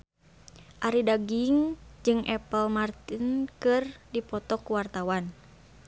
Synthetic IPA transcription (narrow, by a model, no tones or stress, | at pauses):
ʔaɾidaɡiŋd͡ʒɨŋʔɛpəlmart̪inkɨrdipɔt̪ɔkuwart̪awan